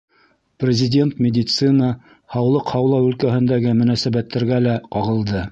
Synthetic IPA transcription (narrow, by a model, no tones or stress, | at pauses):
prʲɪzʲɪdʲe̞nt̪mʲɪdʲɪt̪sɨnə | hɑwlˠɤqhɑwlˠɑwʉlkæhɘ̆nd̪æɡɘmɵ̆næsæbæt̪ːæɾɡælæqɑʁɤ̆lˠd̪ɤ